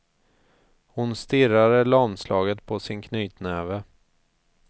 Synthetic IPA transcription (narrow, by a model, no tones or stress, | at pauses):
hʊnst̪ɪɾad̪əlɔnslɑːɡət̪pʰɔsɪnkʰnyːt̪nɛːvə